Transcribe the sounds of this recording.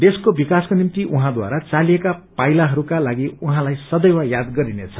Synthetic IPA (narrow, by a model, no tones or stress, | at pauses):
d̪eskobikaskonimt̪iʔuɦãd̪wa̰ɾat͡saliekapajlaɦʌɾukalaɡiuɦãlajsʌd̪ʌjwajad̪ɡʌɾinet͡sʰʌ̥